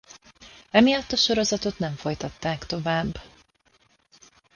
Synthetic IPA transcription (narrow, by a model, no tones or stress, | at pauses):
ɛmijɒt̪ːɒʃo̞ɾo̞zɒt̪o̞t̪nɛɱfo̞jt̪ɒt̪ːaːkt̪o̞vaːbː